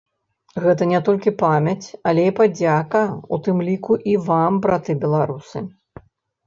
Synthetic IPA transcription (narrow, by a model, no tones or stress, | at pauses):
ɣɛt̪ɐnʲɛt̪ɔlʲkʲipamʲɐt͡sʲɐlʲɛipad͡zʲakɐṵt̪ɨmlʲikuʔivambɾat̪ɨbʲɛlˠaɾusɨ̰